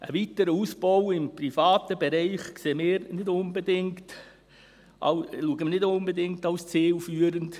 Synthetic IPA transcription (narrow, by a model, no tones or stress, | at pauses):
ə̰viːtəɾəuːsb̥owɪmprifɑːtəbeɾɛɪχkseːmɪːɾnɪdʊnbedɪŋkt | ʔɑ̰ʊluːəɡəmnɪdʊnbedɪŋktaʊst͡siːlfyːəɾənt